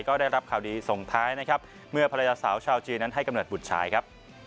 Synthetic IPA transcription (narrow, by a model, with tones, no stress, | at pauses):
jkɔː˥˩da˥˩jɾa˦˥p̚kʰaː˨˩wdiː˧so˨˩ŋt̪ʰaː˦˥jna˦˥kʰa˦˥p̚ | mɯ˥˩ɐpʰa˧ɾa˧jaː˧saː˩˦wt͡ɕʰaː˧wt͡ɕiː˧nːa˦˥nɦa˥˩jka˧mnoː˨˩t̪̚bu˨˩t̪̚t͡ɕʰa̰ː˩˦jkʰa˦˥p̚